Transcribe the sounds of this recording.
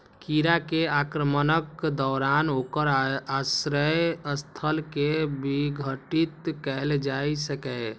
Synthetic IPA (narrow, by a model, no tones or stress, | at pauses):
kiɾakeakɾəmənəkːd̪ɔɾanokəɾasɾəjəst̪ʰəlkebiɡʱəʈit̪kɛld͡ʒajsəkɛ